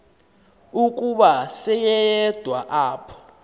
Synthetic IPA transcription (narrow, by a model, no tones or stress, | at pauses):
uk̬ʼuɓasɛjɛɛd̥ʱwaʔaːpʰɔ̥